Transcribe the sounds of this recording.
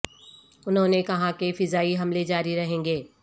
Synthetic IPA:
ʊnɦõːnekɐɦãkefɪzaːiɦɐmled͡ʒaːɾiɾɐɦẽːŋɡeː

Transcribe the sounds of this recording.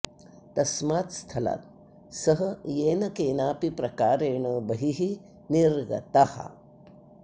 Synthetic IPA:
t̪ɐsmaːt̪st̪ʰɐla̰ːt̪̚ | sɐɦɐjeːnɐkeːnaːpipɾɐkaːɾeːɳɐːbɐɦiɦi | niɾɡɐ̰t̪ahɐ̰

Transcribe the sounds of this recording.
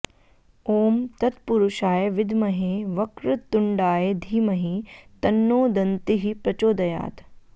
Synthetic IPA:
oːmt̪ɐt̪puɾuʃaːjʋɪd̪ʱmɐɦeːʋɐkɾut̪ːʊɳɖaːjed̪ʱiːmɐɦit̪ɐnːoːd̪ɐnt̪iɦipɾɐt͡ʃoːd̪ɐja̰ːt̪

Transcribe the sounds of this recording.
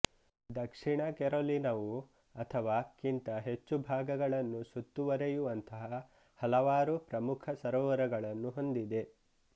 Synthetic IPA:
d̪ɐkʂiɳɐkɛɾolinɐʋu | ɐt̪ʰɐʋaːkint̪ɐɦet͡ʃːubʱaːɡɐɡɐɭɐnːusut̪ːuʋɐɾejuʋɐnt̪ɐɦɐ | hɐlɐʋaːɾupɾɐmukʰɐsɐɾɔːʋɐɾɐɡɐɭɐnːuɦo̞nd̪id̪e̞

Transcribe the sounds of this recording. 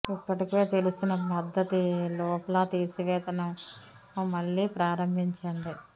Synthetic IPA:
ipːɐʈikeːt̪e̞lusinɐpɐd̪ʱːɐt̪ilɔːpɐlaːt̪iːsiʋɛːt̪ɐnɐm | mɐɭːiːpɾaːɾɐmbʱiɲt͡ʃɐɳɖi

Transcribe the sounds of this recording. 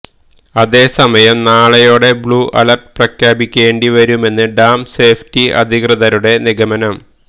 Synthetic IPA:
ɐðe̞ːsɐmɐjɐmnaːɭɐjo̞ːɽe̞bɭuːʔɐ̰lɐrʈ̚prɐkʰjaːbikʲːe̞ːɳɖiʋɐɾume̞nːɨɖaːmse̞ːftiɐ̰d̪ʱikrɨðɐɾuɽe̞niɡɐmɐnɐm

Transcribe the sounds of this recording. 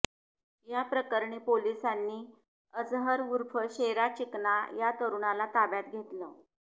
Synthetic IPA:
japɾəkəɾɳiːpolisanːiː | əd͡zɦəɾuɾfʰəɕeɾat͡ɕiknajat̪əɾuɳalat̪abjat̪ɡʱet̪lə

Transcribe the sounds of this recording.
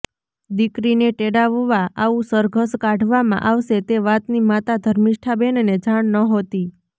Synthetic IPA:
d̪ikɾineʈeɽaʋuʋaaũsəɾɡʱəskãɖʱʋamã̰ʔaʋʃet̪eʋat̪nimat̪ad̪ʱəɾmiʃʈʰabɛnned͡ʒaɳ̃nəɦot̪i

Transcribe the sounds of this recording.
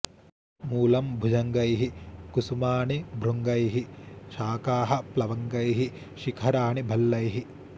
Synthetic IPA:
muːlɐmbʱud͡ʒɐŋɡɐjɦikusumaːɳibʱɾuŋɡɐjɦiʃaːkaːɦɐ̆plɐʋɐŋɡɐjɦi | ʃikʰɐɾaːɳibʱɐlːɐjɦi

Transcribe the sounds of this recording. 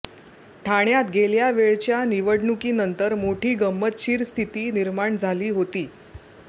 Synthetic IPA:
ʈʰaɳjat̪ɡeljaʋeɭt͡ɕjaniʋəɽɳukiːnənt̪əɾmoʈʰiːɡəmːət̪ɕiːɾst̪ʰit̪iːniɾmaɳd͡zʱaliːɦot̪iː

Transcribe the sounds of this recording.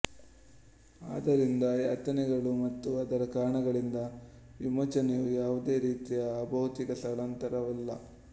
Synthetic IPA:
a̰ːd̪ɐɾind̪ɐjɐt̪ɐnɛɡɐɭumɐt̪ːuɐd̪ɐɾɐkaːɳɐɡɐɭind̪ɐ | ʋimɐt͡ʃɐnejujaːʋud̪e̞ːɾiːt̪ijɐːbʱɐʋɐt̪ikɐsɐɭɐnt̪ɐɾɐʋɐlːɐ̰

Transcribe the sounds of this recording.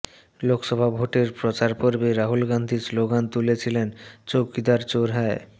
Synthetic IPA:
lokʃɔbʱabʱoʈeɾpɾot͡ɕaɾpoɾbeɾaɦulɡand̪ʱisloɡant̪ulet͡ɕʰilent͡ɕokid̪aɾt͡ɕoɾɦɛe

